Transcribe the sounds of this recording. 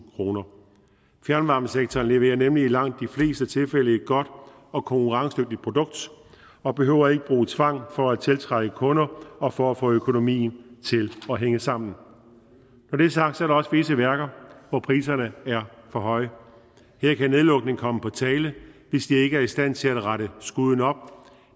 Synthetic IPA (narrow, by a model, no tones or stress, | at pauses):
kʰʁo̝ːnɐ | fjæɐnʋɑ̈ːm̥n̩seɡ̥̚t͡sʰɒːnle̝ʋe̝̰ːɐnemliilɑ̈ŋ̰d̥ːifle̝̰ːsd̥ət͡sʰe̝lfel̰əe̝d̥ɡ̥ɒ̽d̥ | ɒ̽kʰɒ̽ŋkuʁɑ̈ŋsd̥øɡ̥̚d̥id̥̚pʰʁo̝d̥ɔ̽ɡ̥̚d̥ | ɒ̽b̥e̝ɦø̰ʊ̰ɐe̝ɡ̥əb̥ʁuːt͡sʰʋɑ̈ŋ̰fɒ̽æt͡sʰe̝lt͡sʰʁaɡ̥əkʰɔ̽nɐɒ̽fɒ̽æfɔ̰̽ːøkʰo̝no̝mḭːn̩t͡sʰe̝lɒɦeŋəsɑ̈m̰n̩ | nɒd̥ɾ̥e̝æɐsɑ̈ɡ̥d̥sɒɐɾ̥ɑ̈ɒ̽sə̥fle̝səʋæɐɡ̥ɐʋɒpʰʁiːsɐnəæɐfɒ̽ɦɒ̽ɪ̰ | heɐ̰kʰæne̝ð̞ˠlɔ̽ɡ̥̚ne̝ŋ̩kʰɒ̽məpʰɒ̽t͡sʰɛːləʋe̝sd̥ie̝ɡ̥əæɐisd̥æn̰t͡sʰe̝læd̥ʁɑɾəsɡ̥uð̞ˠn̩ɒ̽b̥̚